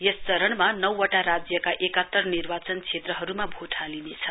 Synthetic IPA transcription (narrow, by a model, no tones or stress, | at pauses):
jest͡sʌɾʌɳmanʌwʌʈaɾad͡zjʌkaʔekʌt̪ːʌrnirbat͡sʌnkt͡sʰet̪rʌɦʌɾumabʱoʈʰalinet͡sʰʌ̥